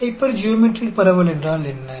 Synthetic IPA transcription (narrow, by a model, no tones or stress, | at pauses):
ɐpːɐɾd͡ʒɪjomɪʈripɐɾɐʋɐlɛndraːlɛnːɐ